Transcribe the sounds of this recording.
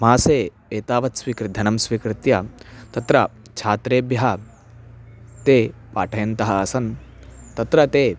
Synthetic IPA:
maːseː | eːt̪aːʋɐt̪sʋikɾɪd̪ʱɐnɐmsʋiːkɾɪt̪jɐt̪ɐt̪ɾɐ | t͡ʃʰaːt̪ɾeːbjɐɦɐ | t̪eːpaːʈʰɐjɐnt̪ɐɦɐːsɐn | t̪ɐt̪ɾɐt̪eː

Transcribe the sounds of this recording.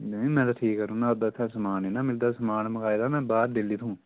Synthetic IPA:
mɛ̃ːt̪aːʈʰiːkːəɾũːnãːd̪at̪ʰːãːsəmaːneːnaːmɪld̪aːsəmaːnməkaːɪd̪aːmɛ̃ːbaːɾɖɪliːt̪ʰũː

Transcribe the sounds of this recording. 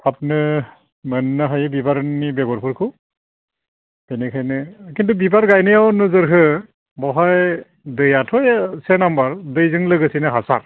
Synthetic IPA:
pʰap̚nɯ | mɯnːɯɦajɯbibaɾnibɛɡɔɾpʰɯɾkʰɯ | kenekʰajnɯkintubibaɾɡajnɯjawnɯzɯɾɦɯ | bɔɦaj | dɯjatʰɔjsenambaɾdɯjzɯŋlɯɡɯsinɯɦasa̰ɾ

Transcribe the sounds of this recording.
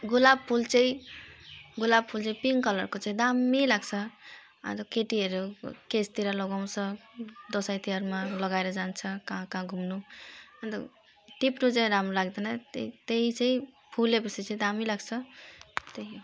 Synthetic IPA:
ɡulab̚pʰult͡saĩ | ɡulab̚pʰult͡saĩpiŋkʌlʌrkot͡sãĩd̪amːilaɡt͡sʰʌ | ʌ̰nt̪ʌkeʈiʌɾukest̪iɾalʌɡaw̃t͡sʰʌd̪ʌsajt̪iʌɾmalʌɡaeɾʌd͡zant͡sʰʌkãkãɡʱumnuʌnt̪ʌ̰ | ʈipnut͡saĩɾamɾolaɡd̪ʌnʌt̪it̪eĩt͡saĩ | pʰulepʌsʰit͡saĩd̪amilaɡt͡sʰʌt̪ej

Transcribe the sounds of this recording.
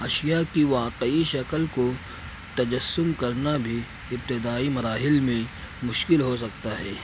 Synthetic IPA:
ɐʃijakiʋaːqəiʃɐkəlko | t̪ɐd͡ʒɐsːʊmkɐɾnabʱi | ɪp̚t̪ɪd̪aːimɐɾaːɦɪlmẽ | mʊʃkɪlɦos̬ɐkt̪aɦɛː

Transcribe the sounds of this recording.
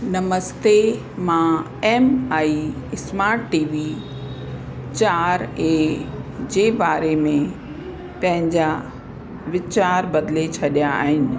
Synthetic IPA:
nɐməst̪e | mã | ɛːmaːiɪsmaːɾʈʈiːʋi | t͡ɕaːɾe | d͡ʑeːbaːɾemẽ | pɐ̃ɦɪ̃ɲd͡ʑa | ʋɪt͡ɕaːɾbɐd̪let͡ɕʰɐɗijaa̰ːɦɪnɪ̆

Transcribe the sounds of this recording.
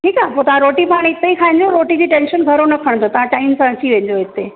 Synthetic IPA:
ʈʰiːkapoːt̪ɐʋ̤ãɾoːʈipaaːɽ̃ɪt̪ːəikʰaːɪ̃ɲd͡ʑoɾoːʈid͡ʑiːʈẽːnʃənɡʱɐɾonɐkʰəɽ̃t̪ʰot̪ɐʋ̤ãʈaːimsãət͡ɕiʋẽːɲd͡ʑoɪt̪ːe

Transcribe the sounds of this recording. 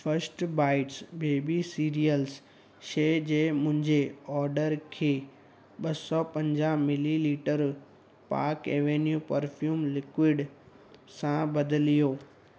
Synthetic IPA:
fʰəɾsʈbaːɪʈsbeːbisiːɾijəls | ʃeːd͡ʑeːmʊ̃ɦɪ̃ɲd͡ʑeɔːɾɖəɾkʰeː | ɓɐsɔpɐ̃ɲd͡ʑaːmɪliliːʈəɾ | pa̰ːɾkeːʋeːnjuːpɐɾfʰjuːmlɪkwɪɖ | sãbɐd̪ɪlijoː

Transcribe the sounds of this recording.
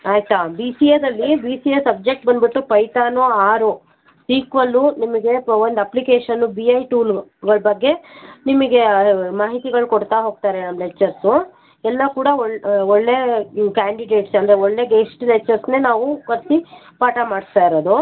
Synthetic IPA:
aːjt̪abiːsied̪ɐlːibiːsiesɐb̚d͡ʒek̚ʈ̚bɐnd̪biʈːupɐjt̪aːnoaːɾu | siːkʋɐlːunimɐɡe̞ond̪ɐplikeːʂɐnːubiɐjʈuːlɡɐɭɐbɐɡːe̞nimɐɡe̞maːɦit̪iɡɐɭukoɽt̪aɦo̞ːɡ̚t̪aːɾenɐmlet͡ʃːɐɾsu | ɛlːɐkuːɽɐoɭɔɭːe̞kaːɳɖiɖe̞ːʈsɐnd̪ɐɾeoɭːe̞ɡeʂʈulet͡ʃːɐɾsne̞ːnaːʋukɐɾsi | paːʈɐmaːɽst̪aːiɾod̪u

